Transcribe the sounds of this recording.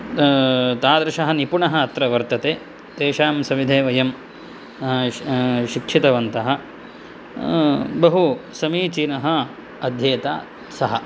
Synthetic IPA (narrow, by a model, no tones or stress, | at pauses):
t̪aːd̪ɾɐʃɐɦɐnipuɳɐɦɐːt̪ɾɐʋɐɾt̪ɐt̪eː | t̪eːʃaːmsɐmid̪ʱeːʋɐjɐm | ʃikʂit̪ɐʋɐnt̪ɐɦɐ̆ | bɐɦusɐmiːt͡ʃinɐɦɐ | ɐd̪ʱjeːt̪a̰ː | sɐɦɐ̰